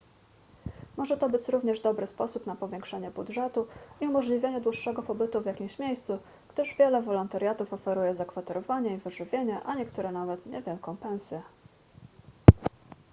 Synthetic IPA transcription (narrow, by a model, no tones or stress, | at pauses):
mɔʐɛt̪ɔbɘt͡ɕɾuvɲɛʐd̪ɔbɾɘspɔsupnapɔvʲjɛŋkʂɛɲɛbudʐɛt̪uiumɔʐlʲivʲjeɲɛd̪wuʂːɛɡɔpɔbɘt̪uvʲjakʲimɕmʲjejst̪su | ɡ̥d̪ɘʐvʲjɛlɛvɔlɔnt̪aɾjat̪ufɔfɛɾujɛzakfat̪ɛɾɔvaɲɛivɘʐɘvʲjeɲɛʔaɲɛkt̪uɾɛnavɛt̪ɲɛ̰vʲjɛlkɔ̃w̃pɛñsʲjɛ